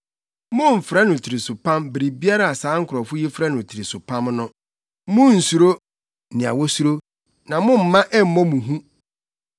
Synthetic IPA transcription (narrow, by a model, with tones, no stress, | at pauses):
mʊ̃˦m̩˨fɾa˦nʊ̃˨tʰɪ˨ɾi˨sʊ˨pʰã˦mbɾi˨bi˦a˦ɾa˦˨a˨saː˨˦ŋ̩˦kʰʊ˨ɾɔ˨fʊ˦ji˦fɾa˦nʊ̃˨tʰɪ˨ɾi˨sʊ˨pʰã˦mnʊ̃˦ | mʊ̃˦n̩˨su˨ɾo˦ | nɪ̃˨a̰˨wɔ˦su˦ɾo˦ | nã˨mʊ̃˦m̩˨mã˦ʔɛ˦m̩˨˦mɔ̃˦mũ˨ɦũ˦